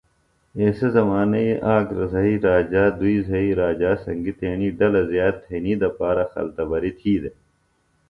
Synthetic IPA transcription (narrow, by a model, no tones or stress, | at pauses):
eːsezɐmaːnɐiʔaːkɾɐzɐɦiːɾaːd͡ʑaːd̪uiːzɐiːɾaːd͡ʑaːsɐŋɡit̪eːniːɖɐlɐzjaːd̪̚t̪ʰːeːniːd̪ɐpaːɾɐxɐ̰lt̪ɐbɐɾit̪ʰiːd̪e